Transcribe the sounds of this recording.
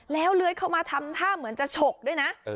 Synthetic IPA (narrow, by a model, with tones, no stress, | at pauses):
lɛː˦˥wlɯ˦˥əjkʰa˥˩wmaː˧t̪ʰa˧mt̪ʰaː˥˩mɯ˩˦nt͡ɕa˨˩t͡ɕʰo˨˩k̚du˥˩əjna˦˥ʔ